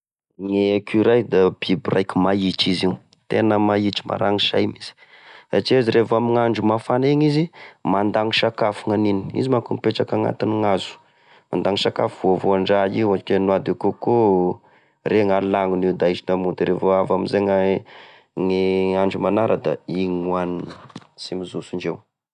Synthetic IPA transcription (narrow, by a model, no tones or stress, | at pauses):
ŋekʲuɾajd̪ab̥iburʔajkumait͡ʃiziu | t̪enəmait͡ʃi̥ma̰ɾaŋiʃa̰jmiz̥i̥ | saʈ͡ʂiaziɾevamiŋaɳɖ͡ʐumafaneŋizimand̪aŋiʃakafuŋanini̥ḭzimakumpeʈ͡ʂakaŋa̰t̪iniŋazu̥ | ma̰nd̪aŋisaka̰fuvovuaɳɖ͡ʐaiwakʲenuad̪ikoko | reŋalaŋuniwd̪aizinamud̪iɾevoavamizeŋa | ŋiaɳɖ͡ʐumanaɾʔəd̪a̰iŋuaninə̥simizusuɳd͡ʒew